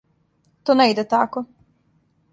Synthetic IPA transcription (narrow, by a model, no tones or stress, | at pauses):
t̪oneid̪et̪ako